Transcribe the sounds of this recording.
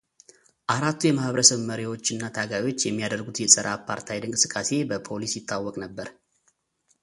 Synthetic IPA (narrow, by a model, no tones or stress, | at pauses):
ʔaɾat̪ʰːujɛmahβəɾəsəβməɾiwo̞t͡ʃːɨnːat̪ʰaɡajo̞t͡ʃːjɛmːijad̪əɾɡut̪jɛsʼəɾʔapʰa̰ɾt̪ʰajd̪ɨŋkʼɨsɨkʼːase̞bəpʰo̞lisjɪt̪ʰːawːɔkʼnəbːəɾ